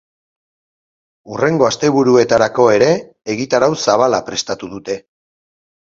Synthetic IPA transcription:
ure̞ŋɡo̞ast̪e̞β̞uɾue̞t̪aɾako̞e̞ɾe̞ː | ɣit̪aɾawsaβ̞alapɾe̞st̪at̪uðut̪e̞

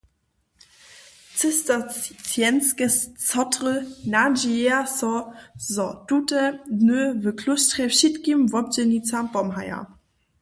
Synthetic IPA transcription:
t͡səstat͡sjɛnskəst͡sɔtʁənad͡ʒieasɔzɔtutədnøvəkʰlʊstʁɛfʃitkimvɔp̚d͡ʒɛnit͡sampɔmɦaja̰

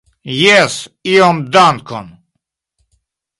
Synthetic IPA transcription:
jɛsiɔmd̪ankʰɔ̰n

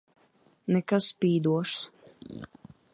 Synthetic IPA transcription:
nɛkaspʲiːd̪uɔʃs

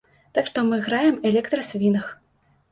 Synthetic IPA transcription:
t̪akʂt̪ɔmɨɣɾajɛmɛlʲɛkt̪ɾɐsʲvʲinɐx

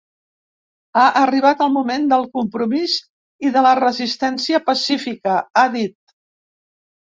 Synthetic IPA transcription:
aʔəriβ̞at̪əlˠmumend̪əlˠkumpɾumiz | iðələrəzist̪ɛnsiəpəsifikəaðit̪̚

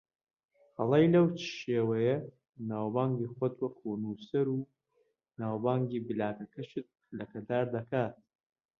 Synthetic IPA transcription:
hɐlˠɐjlɐwt͡ʃʃeːwɐjɐ | naːwbaːŋɡiːxwɔt̪wɐkʰunusɐɾuː | naːwbaːŋɡiːbɨlaːkɐkʰɐʃɨt̪̚ | lɐkɐd̪aːɾd̪ɐkaːt̪̚

